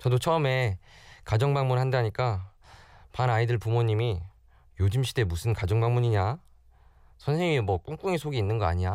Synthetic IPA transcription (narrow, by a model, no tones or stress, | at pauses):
t͡ɕʌdot͡ɕʰʌɯme̞kad͡ʑʌŋbaŋmunhandaɲik͈a | panaidɯɭpumoɲimi | jod͡ʑimɕʰide̞musʰɯnkad͡ʑʌŋbaŋmuɲiɲa | sʰʌnsʰe̞ŋimwʌk͈uŋk͈uŋisʰoɡiːnːɯnɡʌa̰ɲia